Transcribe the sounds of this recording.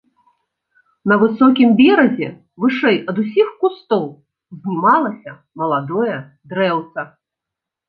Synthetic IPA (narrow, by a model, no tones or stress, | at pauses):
nɐvɨsɔkʲimbʲɛɾɐzʲɛ | vɨʂɛjɐd̪usʲixkust̪ɔw | zʲnʲimalˠɐsʲɐ | mɐlˠad̪ɔjɐ | d̪ɾɛwt̪sɐ